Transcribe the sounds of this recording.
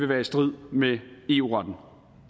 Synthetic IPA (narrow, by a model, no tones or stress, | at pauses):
ʋe̝ʋæːɐisd̥ʁið̞̰ˠmee̝ːuːʁɒd̥n̩